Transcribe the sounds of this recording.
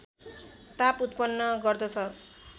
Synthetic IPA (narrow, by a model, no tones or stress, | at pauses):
t̪aput̪pʌnːʌɡʌrd̪ʌt͡sʰʌ